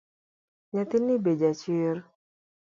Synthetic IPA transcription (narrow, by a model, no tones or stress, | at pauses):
ɲat̪ɪnːibed͡ʒat͡ʃɪɾ